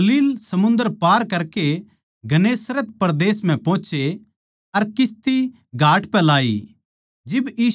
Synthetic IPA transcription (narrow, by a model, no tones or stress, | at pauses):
liːlsɐmʊ̃nd̪əɾpaːɾkɐɾke | ɡʱɐneːsɾət̪̚pɐɾd̪eːsm̤ɛ̃põːt͡ʃʰe | ɐɾkɪst̪i | ɡʱaːʈpɛlaːḭ | d͡ʒɪbjiː